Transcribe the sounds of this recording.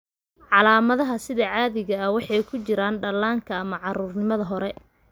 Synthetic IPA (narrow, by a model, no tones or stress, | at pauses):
ʕɑlaːmɐðɐɦɐsɪðɐʕɑːðɪɣɐɐwɑħɑjkʰʊt͡ʃɪɾaːnɖɐlaːŋkʰɐːmɐʕɑɾuːrnɪmɐðɐɦɔɾɛ